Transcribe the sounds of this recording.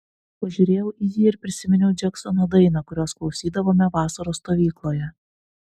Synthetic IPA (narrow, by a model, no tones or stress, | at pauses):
pɐʒʲuːɾʲeːjɛʊʔijiːɪɾpʲɾʲɪsʲɪmʲɪnʲɛʊd͡ʒʲɛksɔnoːd̪ɐɪnɐkʊɾʲoːsklˠɒʊsʲiːd̪ɐʋoːmʲɛʋɑːsɐɾoːst̪oːʋʲiːklˠoːjɛ